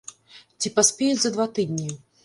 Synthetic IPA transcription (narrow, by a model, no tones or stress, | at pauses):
t͡sʲipasʲpʲɛjɛzɐd̪vat̪ɨd̪ʲnʲi